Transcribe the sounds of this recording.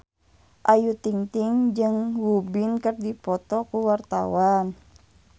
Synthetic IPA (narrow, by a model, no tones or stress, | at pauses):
ʔajut̪iŋt̪iŋd͡ʒɨŋwubinkərdipɔt̪ɔkuwart̪a̰wan